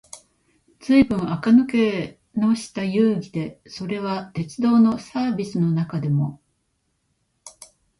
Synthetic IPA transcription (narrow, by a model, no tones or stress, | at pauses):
d͡z̥ɨibɯ̟̃ɰ̃akanɯ̟ke̞ | no̞ɕi̥t̪ajɯ̟ːɡʲid̪e̞so̞ɾe̞β̞at̪e̞t͡sɨd̪o̞ːno̞saːbʲisɨno̞nakad̪e̞mo̞